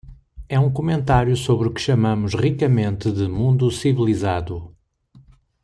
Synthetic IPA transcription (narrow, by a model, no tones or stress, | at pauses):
ɛũkumẽnt̪aɾjusoβɾukɨ̥ʃɐmɐ̃mʊʃʁikɐmẽnt̪ɨðɨmũnd̪usivilˠizaðu